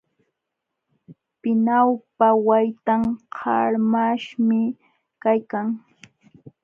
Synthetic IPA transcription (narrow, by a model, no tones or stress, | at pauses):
pɪnawpawajt̪aŋhʰɑɾmaʃmɪ | kajkaŋ